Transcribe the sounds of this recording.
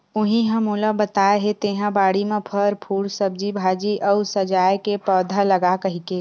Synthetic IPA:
ʊɦĩɦɐmũləbət̪aːɦet̪eːɦãbaːɽimẽpʰəɾpʰuːɽsəb̚d͡ʒibʱaːd͡ʒiʔɔʊsəd͡ʒaːjkepɔːd̪ʱalɐɡakɐɦikeː

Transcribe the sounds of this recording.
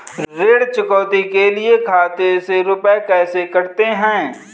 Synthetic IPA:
ɾeːɽt͡ʃʊkɔːt̪ikeliekʰaːt̪eseɾʊpɛkɛːsekɐɾt̪eɦɛ̃ː

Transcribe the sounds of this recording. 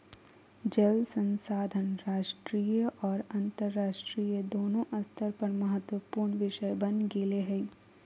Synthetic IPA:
d͡ʒəlsə̃nsaːd̪ʱənɾaːʃʈɾiːjəʔɔːɾɐ̃nt̪əɾːaːʃʈɾiːjəd̪oːnõʔɐst̪ʰəɾpɐɾmɐɦət̪wəpuːɾɳʋɪʃəjbɐnɡeːleɦɛ

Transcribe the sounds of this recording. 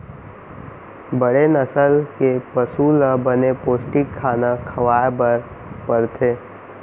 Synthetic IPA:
bəɽenəsəlkepəsuləbənepoːsʈɪkʰːaːnakʰɐʋaːjbəɾ | pəɾt̪ʰeː

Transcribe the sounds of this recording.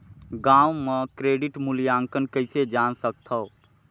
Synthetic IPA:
ɡãwmekɾeɖiʈmulijaŋkənkəɪsed͡ʒansək̚t̪ʰəʊ

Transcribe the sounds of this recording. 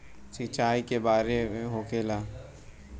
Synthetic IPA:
sit͡ʃaːikebaːɾemẽɦokeːlaː

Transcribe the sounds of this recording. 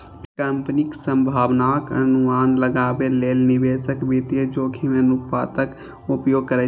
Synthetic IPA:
kəmpnɪksə̃mbʱaːwnaːkə̰nʊmaːnləɡaːbeleːlnɪʋeːʃəkbiːt̪ied͡ʒoːkʰimẽnʊpaːt̪ək | ʊpjoːɡ̚kəɾe

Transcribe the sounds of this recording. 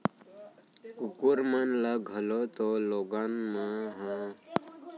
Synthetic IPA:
kukuɾmənləɡʱəlot̪oloɡanməɦã

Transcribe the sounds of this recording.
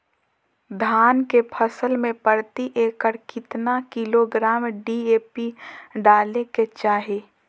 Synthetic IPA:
d̪ʱaːnkepʰəsəlmẽpəɽt̪iʔeːkəɾkɪt̪nakɪloɡɾaːmɖieːpiɖaːleket͡ʃaːɦeː

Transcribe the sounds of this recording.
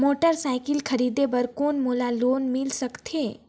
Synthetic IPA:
moːʈəɾsaːɪkɪlkʰɐɾiːd̪ebəɾkoːnmoːlaloːnmɪlsɐkt̪ʰeː

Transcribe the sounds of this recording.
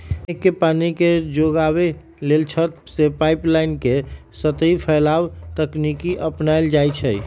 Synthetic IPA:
ekːepaniked͡ʒoɡabe | lelt͡ʃʰət̪sepajplaɪnkesət̪əjpʰəlabt̪əknikiʔəpnajld͡ʒajt͡ʃʰəj

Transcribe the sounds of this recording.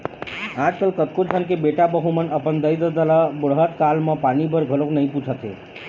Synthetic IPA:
ad͡ʒkəlkət̪̚kod͡ʒʱənkebeʈabəɦumənəpənd̪əjd̪əd̪əlabəɽɦəʈ̪kalmepanibəɾɡʱəloknəj̃put͡ʃʰət̪ɦḛ

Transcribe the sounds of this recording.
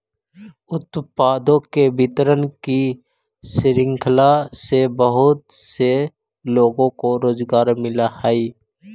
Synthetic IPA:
ʊt̪paːd̪õkebʱɪt̪ɾənki | sɪɾɪ̃ŋkʰlasebəɦʊt̪se | loːɡõkoɾoːzɡaːɾmɪlahaːiː

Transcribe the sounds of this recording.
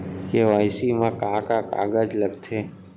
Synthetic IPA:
keʋaːɪsimãkaːkaka̰ːɡəd͡ʒləɡt̪ʰeː

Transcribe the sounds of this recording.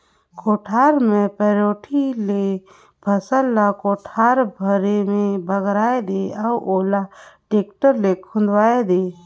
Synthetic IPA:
koːʈʰaːɾmẽpɛɾoːʈʰile | bʱəsəlːakoːʈʰaːɾbʱəɾemẽbəɡɾaːed̪eauʔoːlaʈeːkʈəɾlekʰʊ̃nd̪waːed̪eː

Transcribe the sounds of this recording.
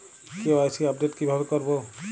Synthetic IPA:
kewajsiap̚ɖeʈkibʱabekoɾbo

